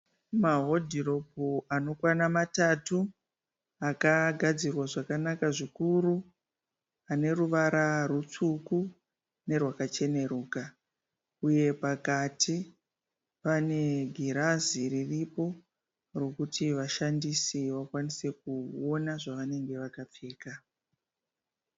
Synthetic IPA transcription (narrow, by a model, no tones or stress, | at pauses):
maɦo̞dʱiro̞poano̞kwanamatatu | akaɡʱad͡zirwaʐakanakaʐikuru | ane̞ruʋaɾarut͡suku | ne̞rwakat͡ʃe̞ne̞ɾuːka | uje̞pakatʰi | pane̞ɡʱiɾaziriripo̞ | ro̞kutiʋaʃandisiʋakwanise̞kuo̞naʐaʋane̞ŋɡe̞ʋakap͡feːka